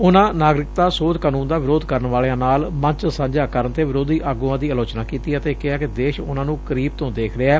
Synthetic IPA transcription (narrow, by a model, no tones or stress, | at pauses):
ʊnãːnaːɡɾɪk̚t̪aːsoːd̪kaːnũːnd̪aːʋɪɾoːd̪kəɾnʋaːlejãːnaːlmə̃ɲt͡ʃsə̃ɲd͡ʒaːkəɾənt̪eːʋɪɾoːd̪iːʔaːɡuːãːd̪iːəloːt͡ʃnaːkiːt̪iːət̪eːkɪaːkɪd̪eːʃʊnãːnũːkəɾiːb̚t̪õːd̪eːkʰɾɪaɛː